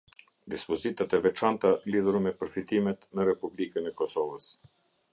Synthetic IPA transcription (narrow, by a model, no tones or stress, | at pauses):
d̪ispɔzit̪at̪ɛvɛt͡ʃant̪aliðuɾmɛpəɾfit̪imɛt̪nəɾɛpublikənɛkɔsɔvəs